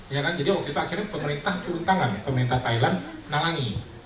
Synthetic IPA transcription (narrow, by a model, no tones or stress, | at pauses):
jakand͡ʒadiwak̚t̪uit̪uakirɲapəməɾint̪aht̪uɾunt̪aŋanpəməɾint̪aht̪ailanːalaŋi